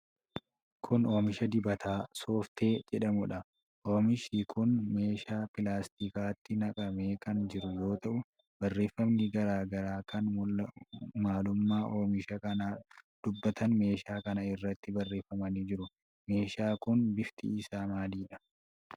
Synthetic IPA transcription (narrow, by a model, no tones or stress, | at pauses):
kʰʊno̞ːmɪʃɐd̪ɪbɐt̪ʰaːso̞ːft̪ʰe̞ːd͡ʒɛᶑɐmʊᶑɐ | ʔoːmɪʃiːkʰʊnme̞ːʃaːpɪlaːst̪ikaːt̪ːɪnɐkʼɐme̞ːkɐnd͡ʒɪɾʊjo̞ːt̪ɐʔʊ | bɐrːeːfːɐmniɡɐɾaːɡɐɾaːkʰɐn | maːlʊmːaːʔo̞ːmɪʃɐkɐnaːd̪̥ʊbːɐt̪ɐnme̞ːʃaːkɐnɐɪrːɐt̪ːɪbɐrːe̞ːfːɐmɐniːd͡ʒɪɾʊ | me̞ːʃaːkʊnbɪft̪ḭɪsaːmaːd̪iːᶑɐ̥